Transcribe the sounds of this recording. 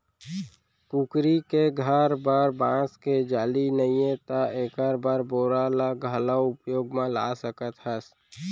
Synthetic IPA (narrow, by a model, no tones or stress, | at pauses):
kuːkɾikeɡʱəɾbəɾbãːsked͡ʒaːlinəĩẽt̪aeːkəɾbaɾboːɾalaɡʱəlaʊpjoːɡmãla̰ːsəkət̪ɦəs